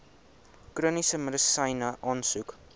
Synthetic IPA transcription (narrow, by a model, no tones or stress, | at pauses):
kruːnisəmədəsɐjnəʔɑːnsuk